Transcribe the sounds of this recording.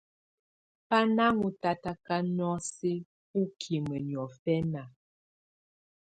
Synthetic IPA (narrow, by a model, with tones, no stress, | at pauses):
pa˦na˦mu˨ta˨ta˦ka˦nɔ˦si˦ | pu˦kʰi˨mə˨njɔ˨fɛ˦na˨